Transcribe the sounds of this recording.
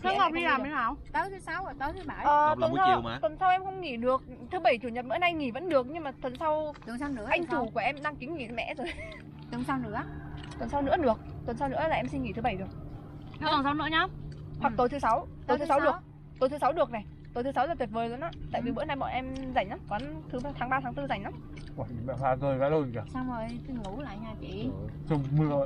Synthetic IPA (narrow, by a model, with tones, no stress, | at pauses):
xa˨˦˨ɔ˨˩ɗi˧laː˨˩mə˨˦naː˨˩wt̪a˨˦t̪ʰɨ˨˦sa˨˦wt̪aː˨˦t̪ʰɨ˨˦ɓaː˧˩ʔəː˨˧˩wə˨˩nʰə˧˩t̪wə˨˩nsa˧wʔɛ˧mxə˧wŋ͡mŋi˧˩ɗɨ˨˩ək̚ | t̪ʰɨ˨˦ɓə˧˩jt͡ɕu˧˩ɲə˨˩t̚ɓɨ̰˧˥na˧jŋi˧˩və̰˧˥nɗɨ˨˩ək̚ɲɨ˧ŋmaː˨˩t̪ʰwə˨˩nsa˧wa˧nɨ̰˧˥əʔa˧jŋ̟t͡ɕu˧˩ku˧˩əʔɛ˧mɗa˧ŋki˨˦ŋŋi˧˩t̪mɛ̰˧˥zo˨˩j | t̪ɨ˨˦ŋsa˧wnɨ̰˧˥ət̪wə˨˩nsa˧wnɨ̰˧˥əɗɨ˨˩ək̚t̪wə˨˩nsa˧wnɨ̰˧˥əlaː˨˩ʔɛ˧msi˧nŋi˧˩t̪ʰɨ˨˦ɓə˧˩jɗɨ˨˩ək̚ː | ɔ˧˨˩sa˨˦wnɨ̰˧˥ɲaː˧ | hwa˨˩kt̪o˨˦jt̪ɨ˨˦sa˨˦w | t̪o˨˦jt̪ɨ˨˦sa˨˦wɗɨ˨˩ə˦ | t̪o˨˦jt̪ɨ˨˦sa˨˦wɗɨ˨˩ək̚na˨˩j | t̪o˨˦jt̪ʰɨ˨˦sa˨˦wlaː˨˩t̪wət̚vəː˨˩jlə˨˦nʔaː˧˥t̪a̰˧˨vi˨˩ɓɨ̰˧˥na˧jɓɔ̰˧˨nʔɛ˧mza˧˩jŋ̟ʔaː˨˦kwaː˨˦nt̪ʰɨ˨˦˧t̪ʰaː˨˦ŋɓaː˧t̪ʰaː˨˦ŋt̪ɨ˧za˧˩jŋ̟la˨˦m | waː˧˩˨mɛ̰˧˨haː˧˩zəː˧˩jva̰˧˥lo˧˩˨ka˨˧˩saː˧wzo˨˩jt̪i˨˧˩ŋə˨˦wla̰ː˧˨ɲaː˨˩t͡ɕi˨˧˦t͡ɕə˧˩ŋ͡mmɨ˧əo˧˨